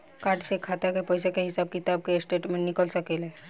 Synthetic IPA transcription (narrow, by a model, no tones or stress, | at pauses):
kaːʈsekʰaːt̪akepəjsekeɦɪsaːb̚kɪt̪aːb̚kesʈeʈmẽnɪkəlsəkelɦe